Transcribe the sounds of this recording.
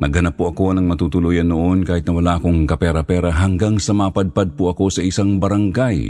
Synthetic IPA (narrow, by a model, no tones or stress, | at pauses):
nɐɡhɐnapːoʔɐko̞nɐŋmɐt̪uːt̪ʊluːjɐnːoʔo̞nkaːhɪt̪nɐwɐlaːʔɐkoŋkɐpɛɾɐpɛɾɐɦɐŋɡaŋsɐmaːpɐd̪̚pad̪̚poʔɐko̞sɐɪsaŋbɐɾaŋɡaj